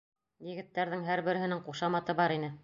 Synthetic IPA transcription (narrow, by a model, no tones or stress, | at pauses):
jɘ̆ɡɘ̆t̪ːæɾðɘŋɦæɾbɘ̆ɾɘ̆ɦɘ̆nɘŋquʃɑmɑt̪ɤbɑɾinɘ